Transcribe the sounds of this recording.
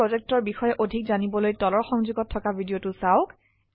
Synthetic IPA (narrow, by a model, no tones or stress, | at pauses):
ozɛk̚tɔɹbixɔjɛʔodʱikzanibɔlojtɔlɔɹxɔŋzuɡɔtʰːɔkabʱidijotʊsaʊk